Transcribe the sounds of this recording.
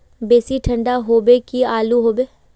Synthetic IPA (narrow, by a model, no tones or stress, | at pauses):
beːsiʈʰə̃ɳɖaɦoːbekiaːluɦoːbeː